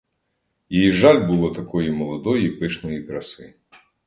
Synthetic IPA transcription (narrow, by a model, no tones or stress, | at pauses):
jijiʐalʲbɨlˠɔt̪akɔjimɐlˠad̪ɔjipɨʂnɐjikɾɐsɨ